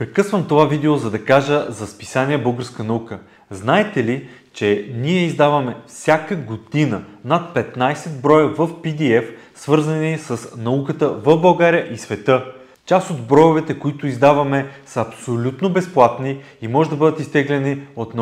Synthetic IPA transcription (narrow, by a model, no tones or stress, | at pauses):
pɾɛkɤsvəmt̪ovavid̪ɛozɐd̪ɐkaʒəzɐspi̥sanʲiɛbɤlˠɡəɾskənɐukə | znaɛt̪ɛli | t͡ʃɛniɛizd̪avɐmɛfsʲjakəɡod̪inənat̪̚pɛt̪najsɛd̪bɾɔjəvəfpid̪iɛf | svɤɾzənisəsnɐukət̪əvəvbɐlˠɡaɾʲijəʔisvɛt̪ɤ | t͡ʃast̪od̪bɾɔjʊvɛt̪ɛkoit̪ʊizd̪avɐmɛsəɐpsolʲut̪nobɛsplˠat̪ni | imɔʒɛd̪ɐbɤd̪ət̪ist̪ɛɡlʲɛniot̪n